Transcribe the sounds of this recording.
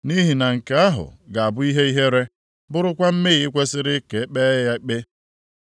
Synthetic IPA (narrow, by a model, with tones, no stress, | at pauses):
ni˦ɦi˨na˨ŋ̩˨ke˨a˦ɦʊ̰˨ɡa˨a˨bʊ˦i˦ɦe˦i˦ɦe˦ɾe˦ | bʊ˦ɾʊ˦kʷa˦m̩˦me˦˨ɣɪ˨˦kʷe˦sɪ˦ɾɪ˦ke˨e˦k͡pe˦ja˦k͡pe˦